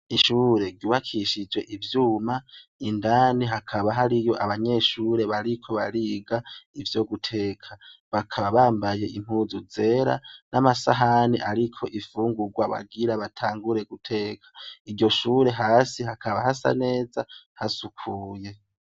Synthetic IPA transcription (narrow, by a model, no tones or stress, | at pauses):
iʃuːɾe̞ɟuːβakʰiʃid͡ʒwe̞ʔivjuːmaindaːniɦakʰaβaɦaɾijo̞ʔaβaɲe̞ʃuɾe̞βaɾikʰo̞βa̰ɾiɡaivjo̞ɡutʰe̞ːkʰaβakʰaβaβaːmbaje̞ʔim̥uːzuze̞ɾa̰nʔamasaɦaniʔaɾikʰo̞ʔifuːŋɡuɡwaβa̰ɡiɾaβatʰaːŋɡuɾe̞ɡutʰe̞ːkʰḁiɾɟo̞ʃuːɾe̞ɦaːsihakʰaβahasa̰ne̞ːzahasukʰuːje̞